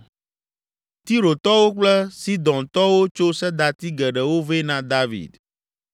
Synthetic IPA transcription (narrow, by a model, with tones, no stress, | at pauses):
t̪i˦ɾo˨t̪ɔ˦wo˦k͡plɛ˦si˦d̪ɔ̃˨nt̪ɔ˦wo˦t͡ʃo˦sɛ˦d̪a˨t̪i˦ɡɛ˨ɖɛ˨wo˦ve˦nã˨d̪a˦vḭ˨d̪